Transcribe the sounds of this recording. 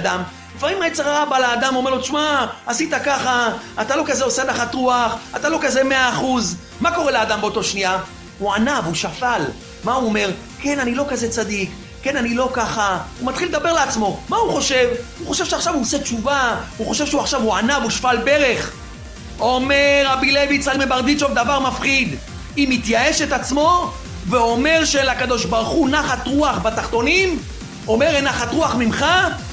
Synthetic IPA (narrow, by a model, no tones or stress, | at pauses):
dam | vaimajet͡seʁaʁabalaːd̪amuome̞ʁloʃmaːsit̪akaχaatalo̞kazeosenaχat̪ʁuaχatalo̞kazeme̞aːχuz | mako̞ʁelead̪ambeoto̞ʃnia | uanavuʃafal | mauome̞ʁ | ke̞nanilo̞kazet͡sad̪ikː | e̞nanilo̞kaχaumat̪χilːed̪abe̞ʁleat͡smo̞mauχo̞ʃevhuχo̞ʃe̞v̥ʃeaχʃavuːset͡ʃuvauχo̞ʃe̞vʃeuaχʃavuanavuʃfalbe̞ʁe̞χ | o̞meʁːabilevit͡sχaɡmebaʁd̪it͡ʃovd̪avaʁmafχid̪ | imit̪jaeʃe̞t̪at͡smo̞ | veo̞me̞ʁʃelakad̪o̞ʃbaʁχunaχat̪ʁuaχbat̪aχt̪o̞nim | o̞me̞ʁenaχat̪ʁuaχmimχa